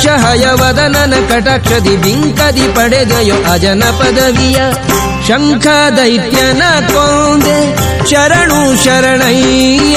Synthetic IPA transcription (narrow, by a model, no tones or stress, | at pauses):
ʃɐɦɐjɐʋɐd̪ɐnɐnɐkɐʈaːkʂɐd̪ibiŋkɐd̪ipɐɽed̪ɐjoʔɐd͡ʒɐnɐpɐd̪ɐʋijɐ | ʃɐŋkʰad̪ɐit̪jɐnakond̪e | ʃɐɾɐɳuʃɐɾɐɳɐɦi